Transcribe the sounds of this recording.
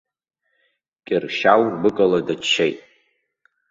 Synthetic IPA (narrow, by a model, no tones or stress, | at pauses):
kʲʼɪrʃawrbɨkʼaladat͡ʃʰːejtʼ